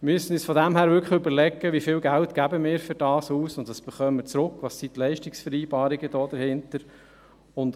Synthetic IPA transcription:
myəsənyːsfɔdæmhæːɾʋʏɾkʰχəχʏbəɾlɛɡəʋifɪːlɡæltɡ̥æbəmɪːɾfʏɾd̥ɑːsuːsʊntʋɑsb̥əχœmːət͡sɾʊkːʋɑsitlɛɪʃtɪksfəɾiːbɑːɾɪɡəd̥ɔːd̥əɾhɪntəɾ | ʊnd

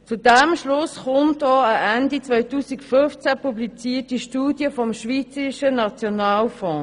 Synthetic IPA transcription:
t͡sudɛmʃlʊsχʊmtɔːəʔɛndit͡svœɪtuːsikfʏnft͡sɛpublit͡siːtiʃtuːdjəfɔmʃviːt͡səiʃənat͡sjonaːlfɔ̃ː

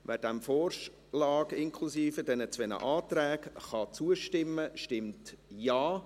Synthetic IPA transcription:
ʋɛːdɛmfɔːr | lɑːɡɪŋkʰlusiːfədɛnət͡sʋɛnə̰ʔɑːt̪ɾɛːɡχɑt͡suəʃtɪmːəʃtɪmtjɑː

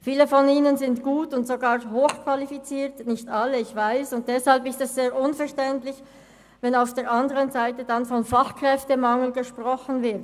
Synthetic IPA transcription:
fiːləfɔniːnənzɪntɡ̥uːtʊntz̥oɡaːʁɦoːxkvalifit͡siːɐtnɪçtaləɪçv̥aɪsʊnt̚d̥ɛshalpɪstɛsz̥eːɐʁʔʊnfɛɐʃtɛntlɪç | vɛnaʊfd̥eːɐʔandəʁənzaɪtədanfɔnfaχkʁ̥ɛftəmaŋl̩ɡəʃpʁ̥ɔxən̩vɪɐt

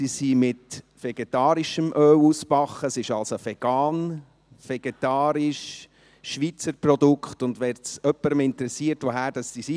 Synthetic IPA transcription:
siːsimɪt | fɛɡ̥etɑːɾiʃəmʔøːwuspɑχːəsɪʃɑlsofɛɡ̥ɑːn | feɡ̥etɑːɾiʃ | ʃʋit͡səɾprɔdʊkχtʊndʋɛːɾtt͡sœpːəɾəmɪntəɾɛsiətʋoɦæːɾd̥ɑssisi

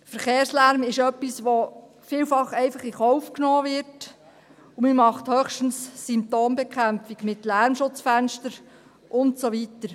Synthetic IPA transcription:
fəɾχeːɾslæɾmɪʃœpːisʋo | fiːlfɑχɛɪfɑχiχɔʊfknoːʋɪɾt | umimɑχthœχʃtən̩ssɪmp̚toːmbɛkχæmpfiɡmɪtlæɾmʃʊt͡sfænʃtəɾ | ʔʊntsoʋitəɾ

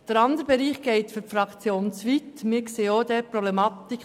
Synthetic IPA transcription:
d̥əɾɑnd̪əɾbɛɾiːχɡ̥ɛɪt̪fyɾfɾɑkt͡sjoːnt͡sʋitmɪːɾkseːoːd̥̪ɛːɾpɾɔblɛmɑt̪ik

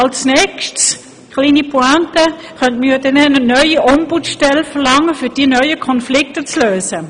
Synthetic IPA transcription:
alsnɛkʃts | kliːnipʰoantə | χœntmijdɛnɛnənœʏiʔɔmbutʃtɛlfəʁlɑŋːəfyd̥iːnœʏəkʰɔnflɪktət͡sløːzə

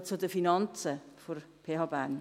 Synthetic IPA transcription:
t͡sʊdəfinɑnt͡sə | foɾ | pʰeːɦɑːbæn

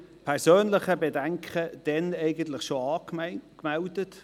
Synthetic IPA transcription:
pʰɛʁsøːnlɪχəbedɛŋkʰχəd̥ɛnɛɪɡəntlɪχʃoɑːkmɛldət

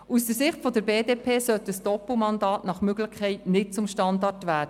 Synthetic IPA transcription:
usd̥əsɪχtfɔdəɾbeːdeːpʰeːsœtəsd̥ɔpl̩mɑndɑːtnɑχmøɡlɪχkʰːɛɪtnɪt̚t͡sʊmʃtɑndɑrtʋæːɾdə

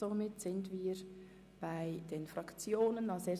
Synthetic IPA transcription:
omɪtsɪntviːɾ | b̥aɪd̥eːnfrɑkt͡sjoːnənɑseː

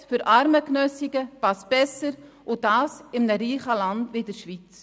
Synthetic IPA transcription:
fʏɾʔɑɾməknœsiɡəpɑsb̥ɛsəɾ | ʔʊd̥ɑːsɪmnəɾiːχəlɑndviːdəɾʃʋit͡s

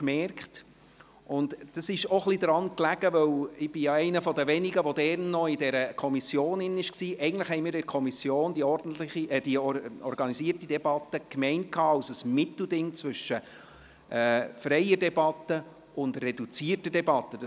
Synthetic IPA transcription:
kmɛrkχt | ʔʊndd̥ɑsɪʃɔχlidɾɑnklæɡ̥əʋœwɪb̥ɪjɑɛɪnəfɔdəʋɛniɡəʋɔdɛɾnːɔɪdɛɾəkʰɔmisjoːnɪnɪʃksiːɛɪɡən̩dləχhɛɪmiːɾdɛɾkʰɔmisjoːndiɔɾdn̩tlɪid̥iɔ̰ɾɡɑnisiːərtid̥ɛbɑtəkmɛɪnt̚kʰɑːɑʊsəsmɪt̪l̩dɪŋt͡sʋʏʃːə | ʔɛːfrɛɪədɛbɑt̪ə | ʔʊndrɛdut͡siːərtədɛbɑt̪ːəd̥ɑ

